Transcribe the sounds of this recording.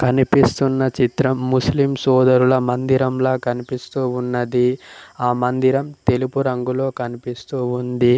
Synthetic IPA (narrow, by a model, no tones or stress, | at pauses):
kɐnipist̪unːɐt͡ʃit̪ɾɐmːuslimsɔːd̪ɐɾulɐmɐnd̪iɾɐmloːkɐnipist̪uːunːɐd̪iaːmɐnd̪iɾɐmt̪e̞lipuɾɐŋɡulo̞ːkɐnipist̪uːund̪i